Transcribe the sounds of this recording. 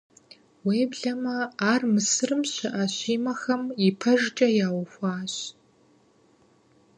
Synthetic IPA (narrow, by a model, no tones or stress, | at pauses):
weːbɮɐmɐaːrmɨsɨrɨmɕɨʔaɕiːmɐxɐmipʰɐʒt͡ʃʼɐjaːwɐxʷɑːɕ